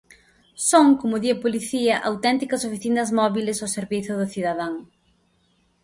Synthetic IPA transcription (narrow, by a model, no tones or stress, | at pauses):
soŋkomʊðiopoliθiɐʔawt̪ɛnt̪ikɐsofiθinɐzmɔβilɪsawseɾβiθʊðʊθiðɐðaŋ